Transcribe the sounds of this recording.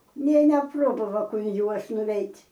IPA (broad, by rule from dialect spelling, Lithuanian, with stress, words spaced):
nʲeː nʲɛˈproːbɐʋɐ ʊn ˈjuɔs nʊˈʋʲɛɪtʲ